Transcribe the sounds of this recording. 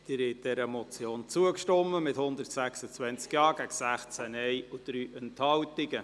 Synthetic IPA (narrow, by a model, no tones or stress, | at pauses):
d̪̥ɪɾɛt̚d̥ɛɾəmɔt͡sjoːnt͡suəkʃtɔmːəmɪthʊnd̪ərtsæksət͡sʋɛnt͡skjɑːɡ̥æɡəsæχt͡sænɛɪud̪̥ɾyːʔɛnthɑwtɪɡə